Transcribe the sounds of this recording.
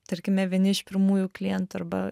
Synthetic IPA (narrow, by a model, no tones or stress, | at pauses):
t̪ɐɾʲkʲɪmʲɛʋʲiɛnʲɪɪʃpʲɪɾmuːjuːklʲɪjɛnt̪uɐɾbɐ̰